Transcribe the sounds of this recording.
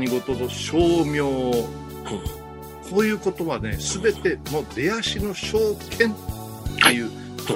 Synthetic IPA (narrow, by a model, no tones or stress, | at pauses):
ɲiɡot̪od̪oɕoːmʲjo̞ː | kʰo̞ːjɯ̟ːko̞t̪o̞βane̞̰sɨbe̞t̪e̞moːd̪e̞aɕino̞ɕo̞ːkʰẽ̞n | ejɯ̟ː | t̪o